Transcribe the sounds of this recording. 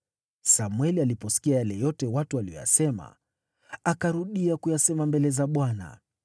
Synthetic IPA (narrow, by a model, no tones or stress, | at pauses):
samwɛlialipɔsi̥kiajalɛjɔtɛwatualiɔ̰ja̰sɛma̰ | akaɾuɗiakujasɛmambɛlɛzaɓwana̰